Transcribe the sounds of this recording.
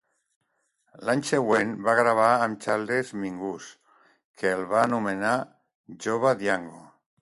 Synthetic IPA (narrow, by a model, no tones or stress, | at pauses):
lanseɣwenbaɣɾaβ̞aːmt͡ʃald̪ezmiŋɡus | kʰelˠβaːnumena | ʒoβ̞aðjaŋɡo